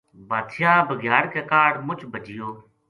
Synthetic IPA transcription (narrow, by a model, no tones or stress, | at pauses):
baːt̪ʰɪjaːbʱəɡjaːɾkeːkaːɽmʊt͡ʃbʱəd͡ʒɪjoː